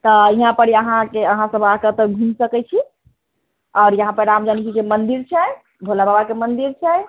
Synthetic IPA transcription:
t̪ɔiɦãpəɾiəɦãkeəɦãsəbakət̪əɡʱũnsəkɛt͡ʃʰi | ɔːɾjəɦãpəɾɾamd͡ʒanit͡ʃʰid͡ʒemənd̪iɾt͡ʃʰɛ | bʱolababakemənd̪iɾt͡ʃʰɛj

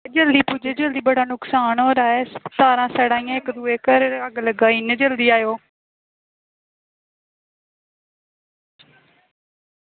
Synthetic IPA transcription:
d͡ʒəld̪iːpuːd͡ʒeːd͡ʒəld̪iːbəɽaːnʊksaːnɦoːɾaːɛːst̪aːɾãːsɛːɽãːĩːãːɪkd̪uːeːkəɾəɡləɡaːind͡ʒəld̪iːaːjoː

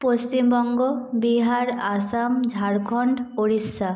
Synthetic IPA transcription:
post͡ɕimbɔŋɡɔbiɦaɾasamd͡ʒʱaɾkʰɔɳɖoɽisːa

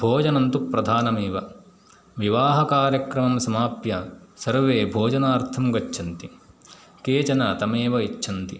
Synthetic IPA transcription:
bʱoːd͡ʒɐnɐnt̪upɾɐd̪ʱaːnɐmeːʋɐ | ʋiʋaːɦɐkaːɾjɐkɾɐmɐmsɐmaːpjɐsɐɾʋeːbʱoːd͡ʒɐnaːɾt̪ʰɐmɡɐt͡ʃːʰɐnt̪i | keːt͡ʃɐnɐt̪ɐmeːʋɐit͡ʃːʃʰɐnt̪i

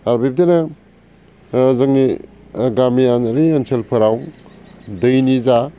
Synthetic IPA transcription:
aɾbep̚dena | zɐŋni | ɡamianaɾienselpʰɐɾaw | dɯjniza

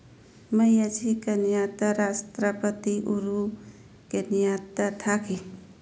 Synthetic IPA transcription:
məjəd͡ʒʰikenijat̪əɾast̪ɾəpət̪iʔuɾu | kenijat̪at̪ʰakʰi

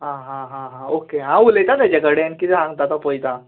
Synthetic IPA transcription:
ɦãɦãɦãɦãokeɦãulet̪at̪ad͡ʑeɡəɽenkit̪ɛɦãŋɡt̪at̪apɔjt̪a

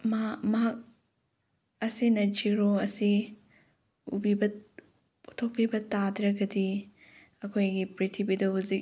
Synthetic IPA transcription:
mmɐɦak̚ | ɐsinɐd͡ʒiɾoɐsi | ubibɐ | utʰok̚pibɐtadɾɐɡɐdi | ɐkʰojɡipɾitʰibidɐɦuzik̚

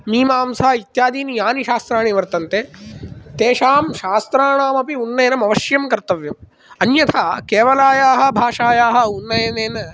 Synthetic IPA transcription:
miːmaːmsaːit̪jaːd̪iːnijaːniʃaːst̪ɾaːɳiʋɐɾt̪ɐnt̪eːt̪eːʃaːmʃaːst̪ɾaːɳaːmɐpiunːɐjɐnɐmɐʋɐʃjɐmkɐɾt̪ɐʋjɐm | ɐnjɐt̪ʰakeːʋɐlaːjaːɦɐ̆bʱaːʂaːjaːɦɐ̆unːɐjɐneːnɐ

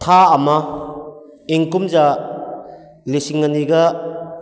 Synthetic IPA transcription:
tʰaːma | eŋkumza | lisiŋːaniɡa

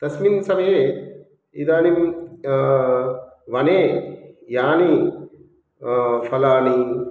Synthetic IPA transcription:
t̪ɐsminsɐmje | id̪aːnim | ʋɐneːjaːni | fɐlaːni

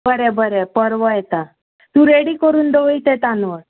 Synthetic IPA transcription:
bʱəɾɛbʱəɾɛpəɾʋəjɛt̪a | t̪ũɾeɽiːkəɾuːnd̪əʋit̪et̪anʋəɾ

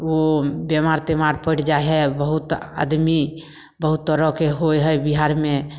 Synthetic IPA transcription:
obemaɾt̪emaɾpəʈd͡ʒaɦɛbəɦut̪a̰d̪mi | bəɦut̪ːəɾəkeɦojɦəbiɦaɾme

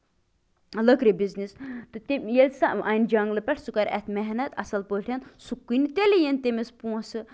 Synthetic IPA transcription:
ləkɾebiznist̪ɨt̪emjelʲsɐʔɐjnd͡ʒɐŋɡlɨpʲɛʈʰsukɐɾɛ̰t̪ʰmɛɦnɐt̪ɐ̰sɐlpəːʈʰʲɐnsukːɨnit̪elʲejent̪emespũɐ̃sɨ

